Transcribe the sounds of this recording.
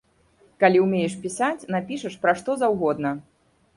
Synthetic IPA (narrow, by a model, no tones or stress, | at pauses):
kalʲiwmʲejɛʂpʲisat͡sʲnapʲiʂɐʂpɾaʂt̪ɔzawɣɔd̪nɐ